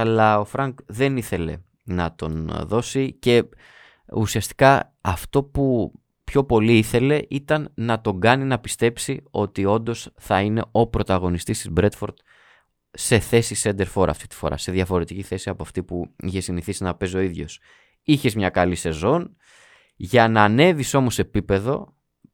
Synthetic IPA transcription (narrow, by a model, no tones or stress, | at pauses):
ɐlɐo̞fɾɐŋkðe̞niθe̞le̞̰ | nɐt̪o̞nðo̞sice̞ | usiɐst̪i̥kɐ | ɐ̰ft̪o̞pu | pço̞po̞liiθe̞le̞ʔit̪ɐnːɐt̪o̞ŋɡɐninɐpist̪e̞psio̞̰t̪io̞nd̪o̞sθɐine̞o̞pɾo̞t̪ɐɣo̞nist̪ist̪izbɾe̞t̪fo̞ɾt̪ | se̞θe̞sise̞nd̪e̞ɾfo̞ɾɐ̰ft̪i̥t̪i̥fo̞̰ɾɐ̰se̞ðʝɐfo̞ɾe̞t̪iciθe̞siɐpoɐft̪ipuiçe̞siniθisinɐpe̞s̬o̞iðʝo̞̰s | içe̞zmɲɐkɐlise̞zo̞n | ʝɐnɐːne̞viso̞mo̞se̞pipe̞ðo̞̰